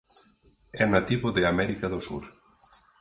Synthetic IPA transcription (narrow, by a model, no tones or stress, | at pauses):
ɛnat̪iβoðeamɛɾikaðosṵɾ